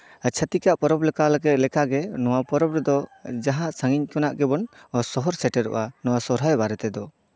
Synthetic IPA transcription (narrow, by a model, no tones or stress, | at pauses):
t͡ʃʰət̪ikaʔpɔɾɔplɛkalɛɡɛt̪̚lɛkaɡɛnɔwapɔɾɔpɾɛd̪ɔd͡ʒaɦãʔsaŋiɲkɔnaʔɡɛbɔnsɔɦɔɾsɛʈɛɾɔ̰ʔanɔwasɔɾɦajbaɾɛt̪ɛd̪ɔ